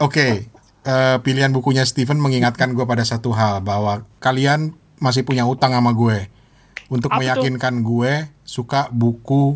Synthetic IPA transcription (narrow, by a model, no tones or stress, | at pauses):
oke | əpiliɦanbukuɲast̪ifənməŋiŋat̪̚kanɡuepadasat̪uɦalbaɦwakalian | mas̬ɪhpuɲaut̪aŋamaɡue | unt̪ʊk̚məjakɪnkanɡuesukabuku